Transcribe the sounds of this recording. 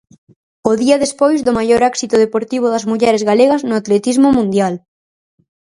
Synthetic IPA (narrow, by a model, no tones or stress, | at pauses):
oðiɐðespojzðomajoɾɛksit̪oð̞epoɾt̪iβ̞oðɐzmuʎɛɾezɣaleɣɐznʊat̪let̪izmomũnd̪jal